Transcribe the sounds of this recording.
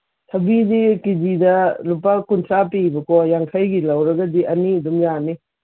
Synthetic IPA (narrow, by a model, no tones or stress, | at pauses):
tʰɐbidikid͡ʒidɐlupakuntʰɾapibɐkʰɔjaŋkʰajɡilɐwɾɐɡɐdiʔɐnidumjani